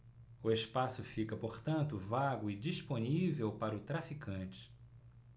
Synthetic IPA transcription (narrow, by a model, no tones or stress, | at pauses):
ʊespasʊfikɐpoɾt̪ɐ̃nt̪ʊvaɡʊɪd͡ʒisponivewpaɾɐʊt̪ɾafikʰɐ̃t͡ʃɪ̥